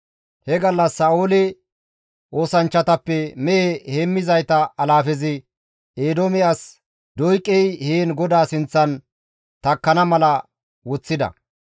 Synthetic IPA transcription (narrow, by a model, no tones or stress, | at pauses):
hɛɡɐlːɐsːaːʔolɪ | ʔo̞ːsɐnt͡ʃːɐt̪ɐpːɛmɛʔeheːmːɪzɐjt̪ɐɐlaːfɛzɪ | eːd̪omɛjɐs | d̪ɔjkʼːɛjheːnɡɔd̪aːsɪnt͡sːɐn | t̪ɐkːɐnɐmɐlɐ | wɔt͡sːɪd̪ɐ̰